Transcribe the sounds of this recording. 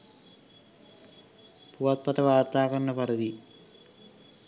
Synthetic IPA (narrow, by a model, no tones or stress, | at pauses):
puʋɐt̪̚pɐt̪ɐʋaːrt̪ːaːɣɐnːɐpɐɾɐði